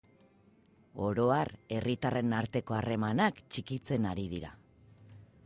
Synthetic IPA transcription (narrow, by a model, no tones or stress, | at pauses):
o̞ɾo̞are̞rit̪are̞naɾt̪e̞ko̞are̞manakt͡ʃikit͡se̞naɾið̞iɾa̰